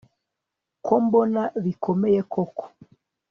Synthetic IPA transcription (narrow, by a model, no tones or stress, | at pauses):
kɔmbɔnaβikʰɔmɛjɛkɔkɔ̥